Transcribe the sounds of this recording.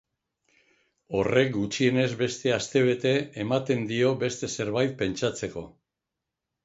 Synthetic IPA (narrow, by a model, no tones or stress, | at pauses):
o̞re̞kɡut͡ʃie̞ne̞zβe̞st̪e̞ast̪e̞β̞e̞t̪e̞emat̪e̞nd̪io̞be̞st̪e̞se̞ɾβajt̪̚pe̞nt͡ʃat͡se̞ko̞